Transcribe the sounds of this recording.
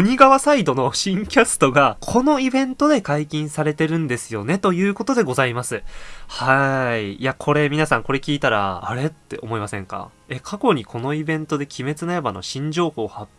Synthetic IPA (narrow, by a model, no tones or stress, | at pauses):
oɲ̟iɡaβasaid̪o̞no̞ɕĩŋkʲasɨ̥t̪o̞ɡakʰo̞no̞ibẽ̞nt̪o̞d̪e̞kaikʲĩɰ̃saɾe̞t̪e̞ɾɯ̟̃nd̪e̞sɨjo̞ne̞t̪o̞jɯ̟ːko̞t̪o̞d̪e̞ɡo̞zaimasɨhaijakʰo̞ɾe̞mʲinasãŋko̞ɾe̞kʲiːt̪aɾa̰ːɾe̞t̪ːe̞ʔo̞̰mo̞imasẽ̞̰ŋka̰e̞kʰako̞ɲ̟ikʰo̞no̞ibẽ̞nt̪o̞d̪e̞kʲime̞t͡sɨnaebano̞̰ɕĩɲ̟d͡ʑo̞ːho̞ːha